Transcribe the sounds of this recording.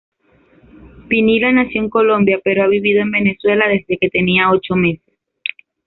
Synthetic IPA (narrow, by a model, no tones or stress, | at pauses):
pinilanasjo̞ŋko̞lo̞mbjape̞ɾoaβiβiðoe̞mbe̞ne̞swe̞laðe̞zðe̞ke̞t̪e̞niao̞t͡ʃo̞me̞ses